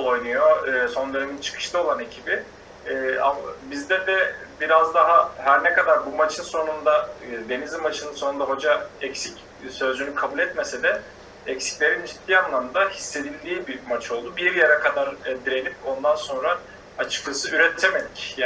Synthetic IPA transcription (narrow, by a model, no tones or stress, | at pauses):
o̞jnujoɯːso̞nleɾimint͡ʃʰɯ̥kʰɯ̥ʃt̪ˠao̞lˠane̞cʰibiː | a̰mabizd̪ɛd̪ɛbiɾazd̪aɦahæɾnɛkad̪aɾbumat͡ʃʰɯnso̞nund̪ad̪e̞nizimat͡ʃʰɯnɯnso̞nund̪aɦo̞d͡ʒaɛcsic | sø̞zd͡ʒynykʰabulʲɛt̪me̞sed̪ɛ | ɛcsi̥clʲeɾinyst̪ʰːiːanlˠamnd̪ahisːe̞d̪ilʲd̪iːbimat͡ʃʰo̞lˠd̪ubiɾjeɾɛkʰad̪aɾd̪iɾe̞nip̚o̞nd̪anso̞nɾa | at͡ʃʰɯ̥klˠɯsɯyɾɛt̪ʰːemed̪icja